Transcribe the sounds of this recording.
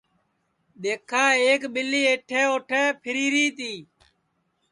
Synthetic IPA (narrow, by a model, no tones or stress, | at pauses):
ɗ̪eːkʰaːeːkɓɪlːiːeːʈʰeːoːʈʰeːpʰɪɾiːɾiːt̪iː